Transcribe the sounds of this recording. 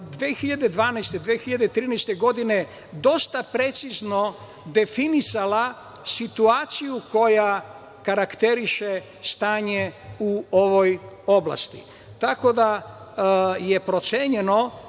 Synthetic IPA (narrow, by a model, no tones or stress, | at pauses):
d̪ʋeːxiʎad̪e̞d̪ʋaːnɛjst̪ed̪ʋexiʎad̪et̪ɾiːnɛjst̪eɡo̞d̪ine | d̪o̞st̪apɾe̞t̪sizno̞ | d̪e̞finisala | sit̪uaːt̪sijuko̞ja | kaɾakt̪eɾiʃe | st̪aːɲeuoʋojo̞blˠa̰st̪ḭ | t̪ako̞d̪a | jepɾo̞t̪seɲeno̞